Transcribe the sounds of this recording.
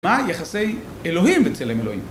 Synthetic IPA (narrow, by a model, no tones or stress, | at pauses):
majaχasej | eloɦimvet͡selemelohḭm